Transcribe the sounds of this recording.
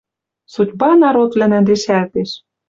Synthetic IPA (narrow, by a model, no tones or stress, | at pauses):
sudʲbɑnɑɾot̪vlʲæ̆næ̆nd̪eʃælt̪eʃ